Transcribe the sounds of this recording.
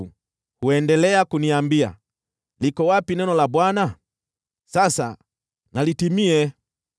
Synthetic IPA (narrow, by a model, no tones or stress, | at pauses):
u | huɛndɛlɛakuniambia̰ | likɔwapinɛnɔlabwana | sasa̰ | nalitimiɛ